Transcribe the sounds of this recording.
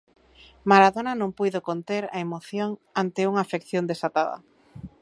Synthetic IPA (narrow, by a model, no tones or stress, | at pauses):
maɾaðonanõŋpujðokont̪eɾa̰emoθjoŋant̪ɪuŋaːfekθjond̪esat̪aðɐ̰